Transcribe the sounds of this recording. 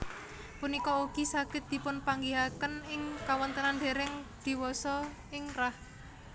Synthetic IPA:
punikɔuɡ̥isaɡ̥ɪt̪̚d̪̥i̤pʊnpaŋɡiɦakənɪŋkawənt̪ənand̪e̤ɾɪŋd̪̥i̤wɔsɔ | ɪŋrah

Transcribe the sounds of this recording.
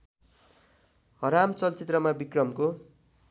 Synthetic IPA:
ɦʌɾamt͡sʌlt͡sit̪rʌmabikrʌmko

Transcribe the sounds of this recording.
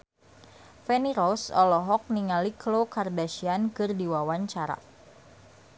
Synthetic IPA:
fɛniɾɔsɔ̰lɔɦɔk̚niŋaliklokardaʃiankɨrdiwawaɲt͡ʃaɾa̰

